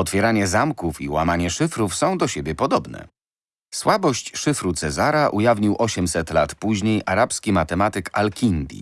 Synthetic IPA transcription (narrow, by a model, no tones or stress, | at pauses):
ɔt̪fʲjɛɾaɲɛzamkufiwamaɲɛʂɘfɾufsɔ̃w̃d̪ɔɕebʲjɛpɔd̪ɔbnɛ̰ | swabɔɕt͡ɕʂɘfɾut̪sɛzaɾaʔujavɲiwʔɔɕɛmsɛt̪lat̪puʑɲejʔaɾapskʲimat̪ɛmat̪ɘkalkʲind̪ʲḭ